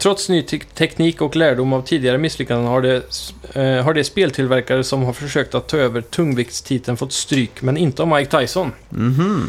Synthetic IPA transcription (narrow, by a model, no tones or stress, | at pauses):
t̪ʰɾɔt̪snyːt̪ʰɛkniːkɔklæːɖʊmavt̪ʰiːd̪ɪɡaɾəmɪslʏkːanəhaɖɛ | ɦaɖɛspeːlt̪ʰɪlvæɾkaɾəsɔmɦaɾfœʂøːk̚t̪at̪ʰːɑːøːvəʈʰɵŋːvɪkt̪st̪ʰiːt̪ʰənfɔt̪ːst̪ɾyːkmɛnɪnt̪əɔmajk̚t̪ʰajsɔn